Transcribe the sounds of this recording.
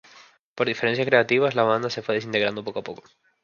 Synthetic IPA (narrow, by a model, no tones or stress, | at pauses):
po̞ɾðifeɾensjaskɾe̞at̪iβaslaβ̞and̪ase̞fwe̞ðes̬int̪e̞ɣɾand̪o̞po̞koapo̞ko̞̥